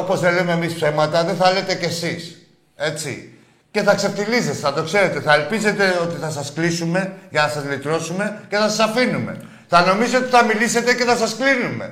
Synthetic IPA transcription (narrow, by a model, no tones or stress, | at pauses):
opo̞zðelemeːmispse̞mɐt̪ɐðenθɐle̞t̪e̞ce̞sis | e̞t͡sḭ | ce̞θɐkse̞ft̪ilizet̪enɐt̪o̞kse̞ɾe̞t̪e̞θɐelpize̞t̪e̞o̞t̪iθɐsɐsklisume̞ʝɐnɐsɐzlit̪ɾo̞sume̞ce̞θɐsɐsɐfinume̞̰ | θɐno̞mizio̞t̪iθɐmilise̞t̪e̞ce̞θɐsɐsklinume̞̰